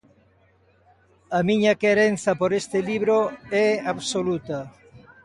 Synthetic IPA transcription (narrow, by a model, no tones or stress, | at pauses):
ɐmiɲɐkeɾen̟θɐpoɾest̪ɪliβɾoɛaβsolut̪ɐ